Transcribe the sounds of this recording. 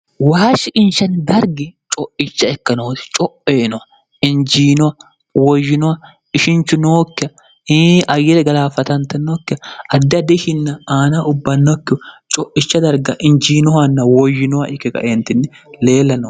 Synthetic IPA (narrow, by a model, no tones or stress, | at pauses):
waːʃɪʔɪnʃɐnd̪ɐɾɡɪt͡ʃʼɔʔɪt͡ʃːɐɛkːɐnoːt̪ɪ̥t͡ʃʼɔʔeːnɔwɐ | ɪnd͡ʒiːnɔwɐ | wɔjːɪnɔwɐ | ɪʃɪnt͡ʃːʊnoːkːɪɐ | ʔɐjːɪɾɛɡɐlaːfɐt̪ɐnt̪ɛnːokːɪɐɐd̪ːɪɐd̪ɪʃɪnːɐaːnaʊbːɐnːɔkːɪt͡ʃʼɔʔːɪt͡ʃːɐd̪ɐɾɡɐʔɪnd͡ʒiːnɔhɐnːɐwɔjːɪnɔwɐʔɪkːɛkɐ̰ʔeːnt̪ɪnːɪleːlːɐno